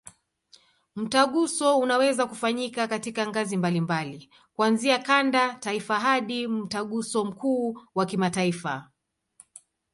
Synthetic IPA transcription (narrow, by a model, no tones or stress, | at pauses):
m̩taɠusɔunawɛzakufaɲikakatikaŋɡazimbalimbali | kwanziakandataifaɦaɗim̩taɠusɔm̩kuːwakimataifa̰